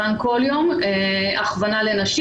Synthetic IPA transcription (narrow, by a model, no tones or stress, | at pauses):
anko̞ljo̞me | aχvanalenaʃi